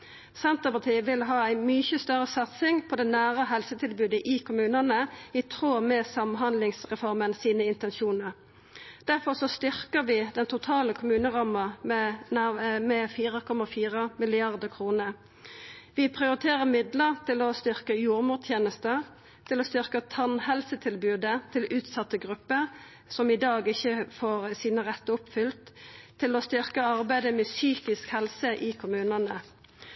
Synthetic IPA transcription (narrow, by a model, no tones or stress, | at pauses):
sɛnt̪əʁpɑʁt̪ʰiːəʋɪlɦɑːæɪmʏçəst̪œʁəsɑt̪sɪŋpʰɔd̪ɛnæːʁəɦɛlsət̪ʰɪlbʉːd̪əʔɪkʰʊmʉːnənəɪt̪ʰʁoːmɛsɑmɦɑnd̪lɪŋsʁɛfɔʁmənsiːnəɪnt̪ɛnʃuːnəʁ | d̪̥æʁfɔʁsɔst̪ʏʁkəʋɪd̪ɛnt̪ʊt̪ʰɑːləkʰʊmʉːnəʁɑmɑm | mɛfiːʁəkʰɔmɑfiːʁəmɪlɪɑʁd̪əkʰʁuːnə | ʋɪpʰʁɪʊʁɪt̪ʰeːʁəmɪd̪ləʁt̪ʰɪlɔst̪ʏʁkəjuːʁmuːʁt̪ʰjeːnəst̪ə | t̪ʰɪlɔst̪ʏʁkət̪ʰɑnhɛlsət̪ʰɪlbʉːd̪ət̪ʰɪlʉːt̪sɑt̪ːəɡʁʉpːəʁ | sɔmɪd̪ɑːɡɪçːəfoːʁsiːnəʁɛt̪ːəʊpfʏlt̪ʰːɪlɔst̪ʏʁkəɑʁbæɪd̪əmɛsyːkɪskhɛlsəʔiːkʰʊmʉːnɑnə